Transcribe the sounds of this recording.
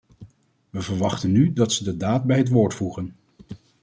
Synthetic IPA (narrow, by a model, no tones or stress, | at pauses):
ʋəvəɹʋɑχtənːydɑtsədədaːt̚bɛjɦətʋoːɹtfuχən